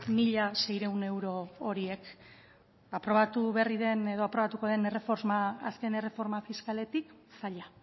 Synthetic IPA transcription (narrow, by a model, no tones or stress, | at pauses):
miʎase̞jɾe̞wne̞wɾo̞ːɾie̞k | apɾo̞βat̪uβe̞riðe̞ne̞ðo̞apɾo̞βat̪uko̞ðe̞ne̞re̞fo̞ɾzmaaske̞ne̞re̞fo̞ɾmafiskale̞t̪iksaʎa